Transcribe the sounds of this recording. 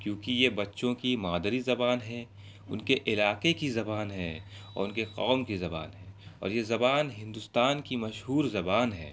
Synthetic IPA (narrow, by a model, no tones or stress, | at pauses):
kjõːkijebɐtːʃõkimaːd̪əɾizɐbaːnɦɛ̃ː | ʊnkeʔɪlaːqekizɐbaːnɦɛ̃ː | ɔ̰ːɾʊnkeqɔ̰ːmkizɐba̰ːnɦɛ̃ːɔ̰ːɾjezɐbaːnɦɪ̃nd̪ʊst̪aːnkimɐʃɦuːɾzɐbaːnɦɛ̰ː